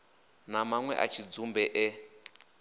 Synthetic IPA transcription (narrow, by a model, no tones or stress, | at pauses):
namaŋwɛ̰ʔa̰t͡ʃʰid͡zumbɛʔɛ